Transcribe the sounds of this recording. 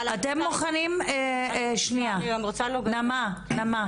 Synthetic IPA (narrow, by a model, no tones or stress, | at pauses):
atemːoχanimeʃniaamʁot͡salonamanama